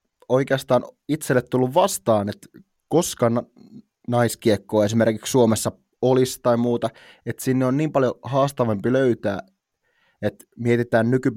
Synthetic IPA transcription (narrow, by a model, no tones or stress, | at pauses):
o̞ikeɑst̪ɑːnit̪selːet̪t̪ulːuʋʋɑst̪ɑːnet̪ | koskɑnɑ | nɑiskiekːoːes̬imerkikssuomesːɑ | olist̪ɑimuːt̪ɑ | et̪sinːeonniːmpɑljohɑːst̪ɑʋempiløyt̪æː | et̪ | miet̪it̪æːnnyky